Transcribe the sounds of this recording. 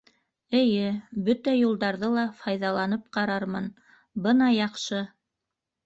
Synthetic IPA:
ɘ̆jɘbɵt̪æjulˠd̪ɑɾðɤlˠɑfɑjðɑlˠɑnɤp̚qɑɾɑɾmɤn | bɤnɑjɑqʃɤ

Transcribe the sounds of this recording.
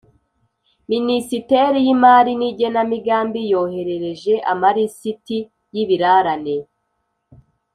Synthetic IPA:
minisite̞ɾijimaːɾiniɟe̞namiɡaːmbijo̞ːhe̞ɾe̞ɾe̞ʒe̞ʔamaɾisiti | jiβiɾaɾane̞

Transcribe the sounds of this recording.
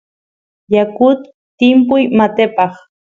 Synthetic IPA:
jakʊt̪ː | ɪmpʊjmat̪epɑχ

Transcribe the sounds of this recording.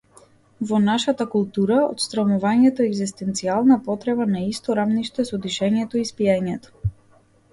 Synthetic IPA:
vɔnaʃat̪akulˠt̪uɾao̰t̪st̪ɾɔmuvaɲɛt̪ɔɛɡzist̪ɛnt̪sialˠnapɔt̪ɾɛbanaist̪ɔɾavniʃt̪ɛsɔd̪iʃɛɲɛt̪ɔispijaɲɛt̪ɔ̥

